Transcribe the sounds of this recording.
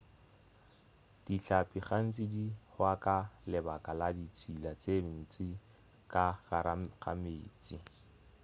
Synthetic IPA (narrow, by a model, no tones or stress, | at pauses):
d̥iɬapʼiχan̩t͡sʼɪdihwakalɪbakʼaladit͡sʰʼilat͡sen̩t͡sɪ | kʼaɣaɾaɣa̰meːt͡sʼi